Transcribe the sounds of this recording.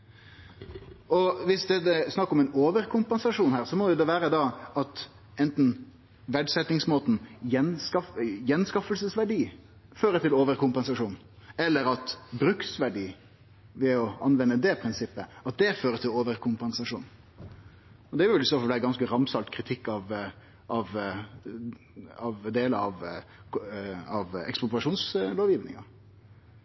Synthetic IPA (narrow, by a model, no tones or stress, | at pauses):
ɔʋɪsd̪ɛt̪ːɛsnɑkːɔmɛɪnoːʋəɾkʰʊmpɛnsɑʂuːnhæːʁsɔmɔjʊd̪ɛʋæːɾəd̪ɑɑt̪ | ɛnt̪n̩ | ʋæɖsɛt̪nɪŋsmoːt̪n̩jɛnskɑfjɛnskɑfəlsəsʋæɖiː | føːɾət̪ɪloːʋəɾkʊmpɛnsɑʂuːn | ɛlːəɾɑt̪bɾʉksʋæɖiː | ʋɛɔɑnʋɛnːəd̪ɛpʰɾɪnsɪpːəɑt̪̚d̪ɛføːɾət̪ʰɪloːʋəɾkʰʊmpɛnsɑʂṵːn | ɔd̪ɛʋʋɪld̪sɔfɔd̪æɡɑnskəɾɑmsɑlt̪kʰɾɪt̪ʰɪkːɑʋ | ʔɑʋ | ɑʋd̪eːləɑʋ | ɑʋɛ̰kspɔpɾɑʂuːnsloːʋjɪʋnɪ̰ŋɑ